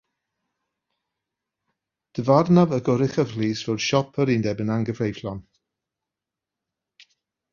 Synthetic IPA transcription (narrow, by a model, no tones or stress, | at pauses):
d̥əvarnavəɡɔɾɪχəvliːsv̥ɛwd̥ʃɔpʰəɾindɛbənaŋɡəvrejflˠɔn